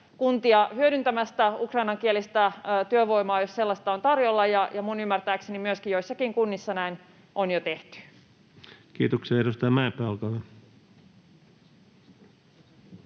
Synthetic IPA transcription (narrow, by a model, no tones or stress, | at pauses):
kunt̪iɑhyøɾynt̪æmæst̪æukrɑinɑŋk̟ielist̪æt̪yøʋo̞imɑːjosselːɑst̪ɑont̪ɑrjolːɑjɑjɑmunymːært̪æːksenimyøskijoisːɑkiŋkunːisːɑnæin | ʔonjot̪eht̪y̥ | kiːt̪oksiɑeɾust̪ɑjɑmæepæːolkɑʋe